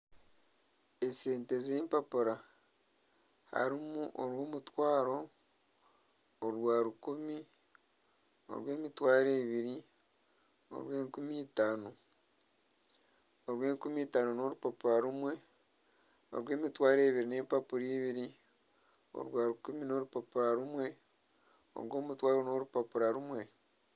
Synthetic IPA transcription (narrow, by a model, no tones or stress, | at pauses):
ese̞ːnte̞zeːmpapuɾa | ha̰ɾimuʔoɾwo̞ːmutwaːɾo̞ | ɾwaːɾukumi | o̰ɾwe̞ːmitwaːɾeːβiɾi | o̰ɾwe̞ːŋkumiːtaːno | oɾwe̞ːŋkumiːtaːnono̞ɾupapuɾaɾumwe̞ | o̰ɾwe̞ːmitwaːɾe̞ːβiɾine̞ːmpapuɾiːβiɾi | o̰ɾwaːɾukumino̞ɾupapuɾaɾumwe̞ | o̰ɾwo̞ːmutwaːɾono̞ɾupapuɾaɾumwe̞